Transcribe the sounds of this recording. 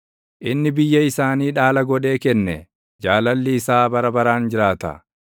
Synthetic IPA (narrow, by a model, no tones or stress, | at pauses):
ʔɪnːɪbɪjːɐɪsaːniːᶑaːlɐɡɔᶑe̞ːkɛnːɛ | d͡ʒaːlɐlːɪːsaːbɐɾɐbɐɾaːnd͡ʒɪɾaːt̪ɐ̰